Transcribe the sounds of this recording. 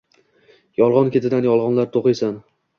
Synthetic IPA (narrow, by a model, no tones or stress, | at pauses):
jɒlˠʁɒnkʲe̞t̪ʰɪd̪anjɒlˠʁɒnlaɾt̪ʰoqɨjsan